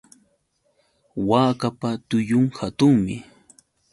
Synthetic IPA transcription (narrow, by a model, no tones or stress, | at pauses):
waːkapat̪ʊjʊŋhat̪ʊŋmɪ